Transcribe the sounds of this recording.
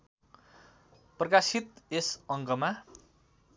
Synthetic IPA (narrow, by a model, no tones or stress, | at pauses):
prʌkasit̪̚esʌŋkʌma